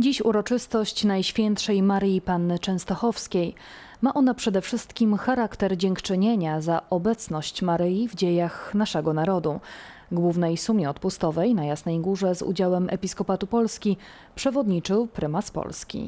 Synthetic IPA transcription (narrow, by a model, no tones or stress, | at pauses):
d͡ʑiɕuɾɔt͡ʂɘst̪ɔɕt͡ɕnajɕfʲjɛnt̪ʂɛjmaɾjipanːɘt͡ʂɛ̃ñst̪ɔxɔfskʲej | maʔɔnapʂɛd̪ɛfʂɘst̪kʲimxaɾakt̪ɛɾd͡ʑɛŋkt͡ʂɘɲeɲazaʔɔbɛt̪snɔɕt͡ɕmaɾɘjivd͡ʑejaxnaʂɛɡɔnaɾɔd̪u | ɡwuvnɛjsumʲɛɔt̪pust̪ɔvɛjnajasnɛjɡuʐɛzṵd͡ʑawɛmʔɛ̰pʲiskɔpat̪upɔlskʲi | pʂɛvɔd̪ɲit͡ʂɘwpɾɘmaspɔ̰lskʲḭ